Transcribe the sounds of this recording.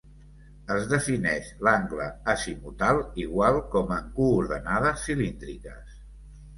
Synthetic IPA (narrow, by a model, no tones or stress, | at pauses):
əzðəfinɛʃlaŋɡləəsimut̪alˠiɣwalˠkɔməŋkuːɾðənað̞əsːilind̪ɾikə̰s